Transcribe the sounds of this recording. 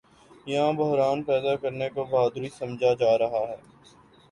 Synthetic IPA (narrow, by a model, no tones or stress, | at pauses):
jɐɦãbʊɦɾaːnpɛːd̪akɐɾnekobaːd̪ɾisɐ̃md͡ʒʱad͡ʒaːɾɐɦaɦɛː